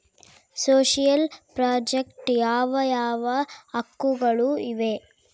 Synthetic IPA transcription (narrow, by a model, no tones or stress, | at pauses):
soːʃijɐlpɾaːd͡ʒekʈjaːʋɐjaːʋɐːkːuɡɐɭuiʋe̞